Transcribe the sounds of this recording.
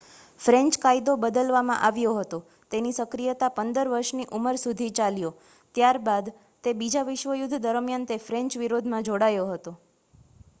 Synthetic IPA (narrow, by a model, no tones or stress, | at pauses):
fɾɛ̃ɲt͡ʃkaid̪obəd̪əlʋamã̰ʔaʋjoɦət̪o | t̪enisəkɾijət̪apənd̪əɾʋəɾʃniʔuməɾsud̪ʱit͡ʃaljo | t̪jaɾbad̪ | t̪ebid͡ʒaʋɪʃʋəjʊd̪ʱːd̪əɾmjant̪efɾɛ̃ɲt͡ʃʋiɾod̪ʱmãd͡ʒoɽajoɦət̪o